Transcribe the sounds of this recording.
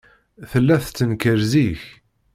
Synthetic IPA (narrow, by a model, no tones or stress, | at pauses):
θəlːæθt͡sːənkəɾziç